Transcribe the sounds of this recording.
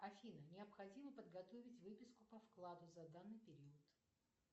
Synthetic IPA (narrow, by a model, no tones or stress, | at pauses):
ɐfʲinənʲɪəpxɐdʲiməpəd̪ɡɐt̪o̞vʲɪtʲvɨpʲɪskʊpəfklˠad̪ʊzɐd̪anːɨjpʲɪɾʲiət̪